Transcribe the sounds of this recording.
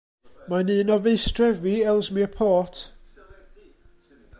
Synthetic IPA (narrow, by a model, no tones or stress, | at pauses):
maniːnɔvejstrɛviɛlˠsmiəpʰɔːtʰ